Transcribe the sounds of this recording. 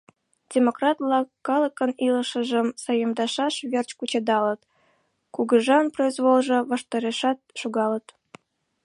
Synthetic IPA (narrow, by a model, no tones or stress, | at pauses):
dʲemokrɑt̪lɑkɑləkəniləʃə̆ʒə̆msɑjəmd̪ɑʃɑʃβert͡ɕkut͡ɕɑd̪ɑlə̆t̪ | kuɣəʒɑnproizβolˠʒɤ̆βɑʃt̪ɑɾeʃɑt̪̚ʃuɣɑlət̪